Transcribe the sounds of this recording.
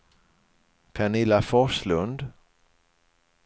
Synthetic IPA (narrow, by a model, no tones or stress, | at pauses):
kʰɛnɪlːafɔʂlɵnd̪